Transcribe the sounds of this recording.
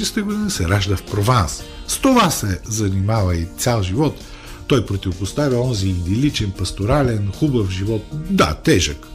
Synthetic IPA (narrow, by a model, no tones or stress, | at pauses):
ɛst̪ɛɡod̪inisɛɾaʒd̪əfpɾovans | st̪ovasɛzɐnimavɐit̪sʲalˠʒivɔt̪ː | ɔjpɾot̪ivopost̪avʲɐɔnziːnd̪ɛlit͡ʃɛnpɐst̪oɾalɛnxubəfʒivɔt̪̚d̪a̰t̪ɛʒək